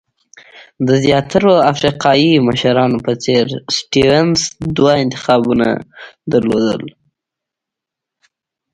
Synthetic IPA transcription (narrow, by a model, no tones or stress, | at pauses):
d̪əzjɑt̪aɾoafɾiqɑiməʃaɾɑnopət͡seɾsʈiwensd̪waɪnt̪ɪ̥xɑbuna̰d̪əɾlo̰d̪ə̰l